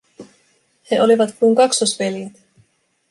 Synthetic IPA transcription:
he̞ʔo̞liʋɑt̪kujŋkɑksosʋe̞ljæt̪

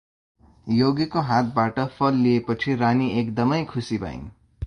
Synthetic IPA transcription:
joɡekoɦat̪̚baʈʌpʰʌlːiepʌt͡sʰiɾaniekd̪ʌmʌjkʰusiba̰ḭn

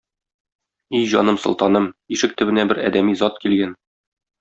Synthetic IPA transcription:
ijʑɒnɤmsŏlˠt̪ɑnɤmiʃɘk̚t̪ɘ̆bɘ̆næbɘɾæ̰d̪æmizɒt̪kilɡæn

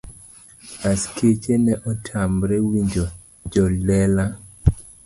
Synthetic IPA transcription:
askʰet͡ʃenɛʔɔtʰamɾɛwiɲd͡ʒɔ | d͡ʒɔlɛla

